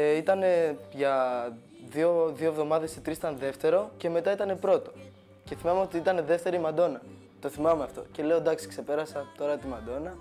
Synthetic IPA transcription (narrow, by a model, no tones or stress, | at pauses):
it̪ɐne̞ʝɐ | ðio̞ðioevðo̞mɐðe̞sit̪ɾisi̥t̪ɐnðe̞ft̪e̞ɾo̞ce̞me̞t̪ɐit̪ɐne̞pɾo̞t̪o̞̥ | ce̞θimɐmeo̞t̪iit̪ɐne̞ðe̞ft̪e̞ɾimɐd̪o̞nɐ | t̪o̞θimɐmeɐft̪o̞̰ce̞le̞o̞d̪ɐksi̥kse̞pe̞ɾɐsɐt̪o̞ɾɐt̪imɐd̪o̞nɐ